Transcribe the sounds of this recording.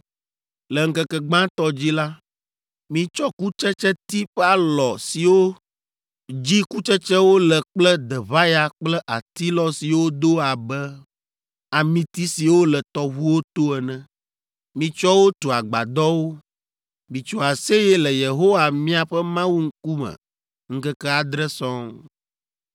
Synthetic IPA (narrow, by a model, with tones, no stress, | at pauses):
lɛ˨ŋ̩˦kɛ˦kɛ˨ɡ͡bã˦t̪ɔ˦d͡ʑi˦la˦ | mĩ˦t͡ʃɔ˦ku˦t͡ʃɛ˦t͡ʃɛ˦t̪i˦ɸɛ˦a˨lɔ˨si˨wo˦ | d͡ʑi˦ku˦t͡ʃɛ˦t͡ʃɛ˦wo˦lɛ˨k͡plɛ˦d̪ɛ˨βa˦ja˨k͡plɛ˦ʔa˨t̪i˦lɔ˦si˨wo˦d̪o˦a˨bɛ˦ | a˨mĩ˨t̪i˦si˨wo˦lɛ˨t̪ɔ˦βu˦wo˦t̪o˦ɛ˨nɛ̃˦ | mĩ˨t͡ʃɔ˦wo˦t̪o˨a˨ɡ͡ba̰˨d̪ɔ˦wo˦ | mĩ˨t͡ʃo˨a˨se˦jɛ˦lɛ˨je˨ɦo˦wa˨mĩ˦a˨ɸɛ˦mã˦wu˦ŋ̩˦ku˦mɛ̰̃˨ | ŋ̩˦kɛ˦kɛ˦a˨d̪ɾɛ˦sɔ̃˦ŋ